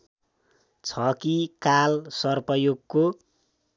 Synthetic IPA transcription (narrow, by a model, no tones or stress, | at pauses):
t͡sʰʌkikalsʌrpʌjoɡ̚ko